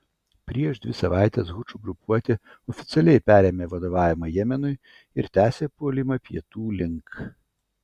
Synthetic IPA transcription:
pʲɾʲiɛʃd̪ʲʋʲɪsɐʋɑˑɪt̪ʲɛsɣʊt͡ʃuɡɾʊpuɔt̪ʲɪ | ɔfʲɪt̪sʲɛlʲɛɪpʲæːɾʲeːmʲeːʋɐd̪oʋɑːʋʲɪmɐjɛmʲɛnʊɪ | ɪɾt̪ʲæːsʲeːpuɔlʲɪmɐpʲiɛt̪uːlʲɪŋk

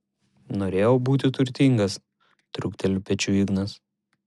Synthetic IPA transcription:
noːɾʲeːjɛːbuːt̪ʲɪt̪ʊɾʲt̪ʲɪŋɡɐs | t̪ɾʊkt̪ʲɛlʲʊpʲɛt͡ʃʲuːɪɡnɐs

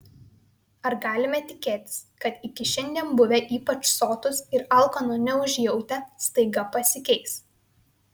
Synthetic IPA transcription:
ɐɾɡɑːlʲɪmʲɛt̪ʲɪkʲeːt̪ʲɪ̥skɐt̪ɪkʲɪʃʲɛnʲd̪ʲiɛnbʊʋʲɛʔiːpɐt͡ʃsoːt̪ʊsɪɾɐˑlˠkɐnʊnʲɛʊʒʲjɛʊt̪ʲɛst̪ɐɪɡɐpɐsʲɪkʲɛɪs

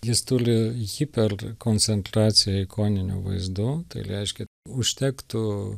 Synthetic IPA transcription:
jɪst̪ʊɾʲɪɣʲipʲɛrkoːnʲt͡ssʲɛnt̪ɾɑːt͡ssʲɪjɛɪkoːnʲɪnʲṵʋɐ̰ɪzd̪ʊːt̪ɐɪɾʲɛɪʃʲkʲɛ | ʊʃʲt̪ʲɛːkt̪ʊ

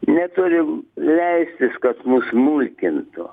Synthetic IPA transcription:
nʲɛt̪ʊɾʲɪlʲɛɪsʲt̪ʲɪskɐt̪mʊsmulʲkʲɪnt̪ʊ

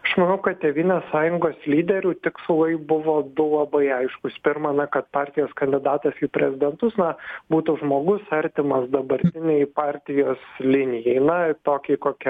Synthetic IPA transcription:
ɐʃmɐnɐʊkɐt̪̚t̪ʲeːʋʲiːnʲeːssɑːjʊŋɡoːslʲiːd̪ʲɛɾʲuːt̪ʲɪkslˠɐɪbʊʋoːd̪ʊlˠɐbɐɪɐɪʃkʊspʲɪɾmɐnɐkɐt̪pɑːɾʲt̪ʲɪjoːskɐnʲd̪ʲɪd̪ɑːt̪ɐsiːpʲɾʲɛzʲɪd̪ʲɛnt̪ʊsnɐbuːt̪uʒmoːɡʊsɐɾʲt̪ʲɪmɐsd̪ɐbɐɾʲt̪ʲɪnʲɛɪpɑːɾʲt̪ʲɪjoːslʲɪnʲɪjɛɪnɐt̪oːkʲɛɪkoːkʲɛ

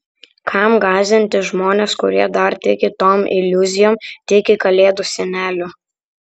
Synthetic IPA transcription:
kʰɑmɡɑːzʲɪnʲt̪ʲɪʒmoːnʲeːskʊ̰ɾʲiɛd̪ɐɾt̪ʲɪkʲɪt̪oːmɪ̰lʲʊzʲɪjoːmt̪ʲɪkʲɪkɐlʲeːd̪ʊsʲɛnʲæːlʲʊ

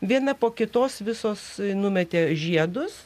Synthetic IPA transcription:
ʋʲiɛnɐpoːkʲɪt̪oːsʋʲɪsoːsnʊmʲɛt̪ʲeːʒʲiɛd̪ʊs

